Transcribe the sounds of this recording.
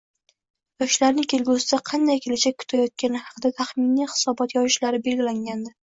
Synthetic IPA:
jɒʃlaɾnɪŋkʲʰe̞lɡʲusɪd̪aqʰɑnd̪ajkʲʰelɪt͡ʃʰakʰːʊ̥t̪ʰajɒt̪̚kʲanɪhɑqʰɨd̪at̪ʰaχmɪniχɪ̥sɒbɒt̪jɒjɪʃlaɾɪbe̞lɡʲɪlaŋɡʲand̪ɪ

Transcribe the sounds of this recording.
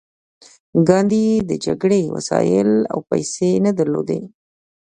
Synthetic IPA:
ɡɑnd̪id̪əd͡ʒaɡɽewa̰sɑjɪla̰wpajsenad̪aɾlod̪e

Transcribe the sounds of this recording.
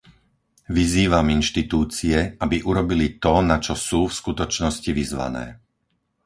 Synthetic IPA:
ʋiziːʋaminʃt̪it̪uːt͡siɛabiʔuɾɔbilit̪ɔnat͡ʃɔsuːfskut̪ɔt͡ʃnɔsciʋizʋa̰nɛ̰ː

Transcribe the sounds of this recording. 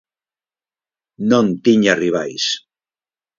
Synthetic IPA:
nõnt̪iɲariβ̞ajs

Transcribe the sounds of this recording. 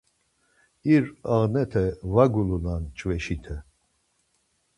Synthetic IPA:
iɾaʁnɛt̪ʰɛvaɡulunant͡ʃʼvɛʃit̪ʰɛ

